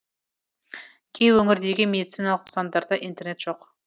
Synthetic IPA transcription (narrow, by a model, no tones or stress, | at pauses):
kʲʰe̞jwɵŋɪɾd̪e̞ɡʲɪme̞d̪it̪sijnɑlˠəqsɑnd̪ɑɾd̪ɑʔijnt̪e̞ɾne̞t̪ʒ̥o̞q